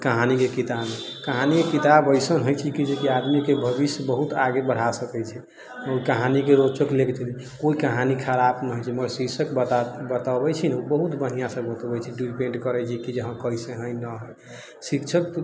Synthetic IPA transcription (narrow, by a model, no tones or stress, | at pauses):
kəɦanikekit̪abmekəɦanikekit̪abəjsənɦojt͡ʃʰikid͡ʒekiad̪mikebʱəbisjbəɦut̪aɡebəɽ̤asəkɛt͡ʃʰɛ | oikəɦanikeɾot͡ʃəklekt͡ʃʰni | koikəɦanikʰaɾapnəɦojt͡ʃʰiməsiksəkb̪bət̪abɛt͡ʃʰinubəɦut̪bən̤ijasəbət̪əbɛt͡ʃʰiɖipeɳʈkəɾɛt͡ʃʰikid͡ʒəɦə̃kəjsẽɦəjnəɦəj | sikt͡ʃʰək̚